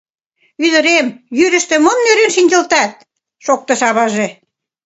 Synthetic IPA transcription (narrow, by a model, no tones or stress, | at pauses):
yðə̆ɾemjyɾə̆ʃt̪ĕmŏmnøɾenʃinʲd̪ʲə̆lt̪ɑt̪̚ | ʃok̚t̪ɤ̆ʃɑβɑʒe